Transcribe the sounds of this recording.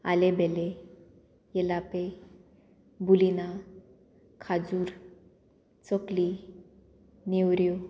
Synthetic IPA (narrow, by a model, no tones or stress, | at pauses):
a̰lebʱɛle | jɛlape | bulina | kʰad͡zuːɾ | t͡sɔkli | newɾjo